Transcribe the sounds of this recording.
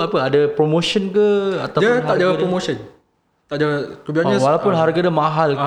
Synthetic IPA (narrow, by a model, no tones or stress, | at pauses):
apəadapɾomoʃənkəat̪awiət̪ad͡ʒawaɾomoʃən | t̪aʔd͡ʒawakubiaɲəwalawpʊnɦarɡadamãɦal